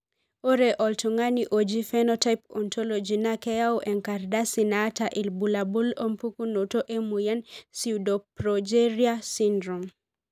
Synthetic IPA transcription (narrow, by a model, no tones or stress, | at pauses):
oɾeʔɔltuŋaniʔod͡ʒifɛnɔtajpɔntʰolod͡ʒinakɛjaoʔɛŋkardasinataʔilbulabulompukunotoʔemujansiwdɔpɾɔd͡ʒeɾiasindɾom